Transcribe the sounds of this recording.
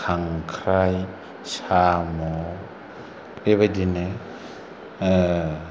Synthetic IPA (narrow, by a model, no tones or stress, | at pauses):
kʰaŋkʰɾaj | samɔ | beβadine